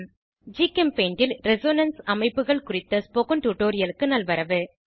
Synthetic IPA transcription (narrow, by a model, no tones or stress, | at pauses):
d͡ʒiːkɛmpeːɳɖɪlɾɛsoːnɐnsɐmɐɪpːɯɣɐɭkʊrɪt̪ːɐspoːkɐnʈuːʈoːɾɪjɐlɯkːɯnɐlʋɐɾɐʋɯ